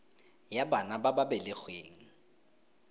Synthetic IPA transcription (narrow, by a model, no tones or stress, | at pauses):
jabanabababɛlɪk͡xweːŋ̩